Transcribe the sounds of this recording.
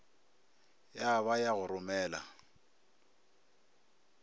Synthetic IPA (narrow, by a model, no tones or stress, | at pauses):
jaβajaɣʊɾʊmɛːla̰